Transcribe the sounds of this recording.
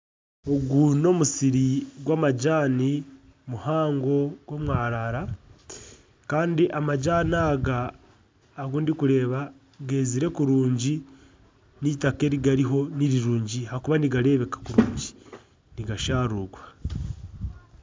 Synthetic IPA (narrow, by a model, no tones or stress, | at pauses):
o̞ɡuno̞musiɾiɡwaːmaɟaːni | muhaːŋɡo̞ɡwo̞mwaːɾaɾa | kaːndiʔamaɟaːnaːɡaː | ɡuːndikuɾe̞ːβa | ɡe̞ːziɾe̞kuɾuːɲɟi | nitake̞ɾiɡaɾiɦo̞niɾiɾuːɲɟihakuβaniɡaɾe̞βe̞kḁkuɾuːɲɟi̥ | niɡaʃaːɾuɡwa